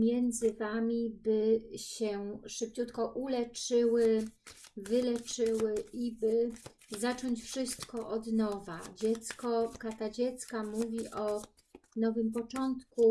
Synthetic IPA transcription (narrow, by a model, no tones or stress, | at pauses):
mʲjɛnd̪zɘvamʲibɘɕɛʂɘp̚t͡ɕut̪kɔʔulɛt͡ʂɘwɘ | vɘlɛt͡ʂɘwɘibɘ | zat͡ʂɔɲt͡ɕfʂɘst̪kɔʔɔd̪nɔvad͡ʑɛt̪skɔkat̪ad͡ʑɛt̪skamuvʲiʔɔ | nɔvɘmpɔt͡ʂɔnt̪ku